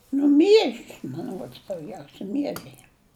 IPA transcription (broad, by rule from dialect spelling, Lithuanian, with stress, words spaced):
ˈnʊ ˈmʲiɛʒʲɪs mɐn ˈruɔts dɐʊˈɡʲɛʊsʲɛ ˈmʲiɛʒʲɛɪ